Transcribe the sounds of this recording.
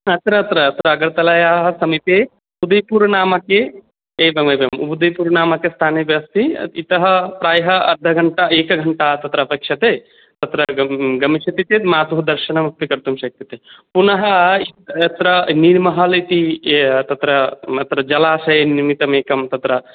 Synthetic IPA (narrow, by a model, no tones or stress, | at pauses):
ɐt̪ɾɐːt̪ɾɐːt̪ɾɐːɡɐɾt̪ɐlɐjaːɦɐsɐmit̪eː | ud̪ɐjpuːɾnaːmɐkeː | bɐmɐbjɐmṵbud̪ɐjpuːɾnaːmɐkest̪ʰaːnebjɐɐst̪ʰiit̪ɐɦɐpɾaːjɐɦɐɐ̰ɾd̪ʱɐɡʱɐɳʈaeːkɐɡʱɐɳʈaːt̪ɐt̪ɾɐpɐkʂjɐt̪eː | t̪ɐt̪ɾɐɡɐmiʃɐt̪it̪eːt̪maːt̪uɦud̪ɐɾʃɐnɐmɐpːikɐɾt̪umʃɐk̚t̪it̪epunɐɦɐiɐt̪ɾɐniɾmɐɦɐlit̪it̪ɐt̪ɾɐɐt̪ɾɐd͡ʒɐlaːsɐjeniɾmit̪ɐmeːkɐmt̪ɐt̪ɾɐ